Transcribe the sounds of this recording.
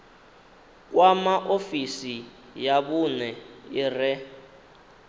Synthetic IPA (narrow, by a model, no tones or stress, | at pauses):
k̬wamaʔofisi | jaβunɛirɛ